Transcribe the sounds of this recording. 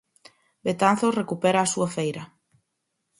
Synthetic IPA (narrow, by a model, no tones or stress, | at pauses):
bet̪an̟θosrekupɛɾaːsuafejɾɐ